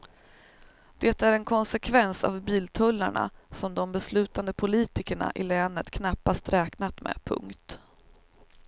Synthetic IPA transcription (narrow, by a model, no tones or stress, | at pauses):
d̪̥ɛt̪æɾɛnkʰɔnsɛkʰvɛnsa̰vbiːlt̪ʰɵlːa̰ɳa̰sɔmd̪ɔmbɛslʉ̟ːt̪and̪əpʰʊliːt̪ɪkəɳa̰ʔɪlɛːnət̪kʰnapːast̪ɾʔɛːknat̪mɛ̰pʰɵ̰ŋkt̪